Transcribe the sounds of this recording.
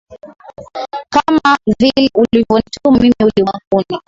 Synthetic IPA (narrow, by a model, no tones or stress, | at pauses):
kamavilɛʔulivɔntumimiuliakuni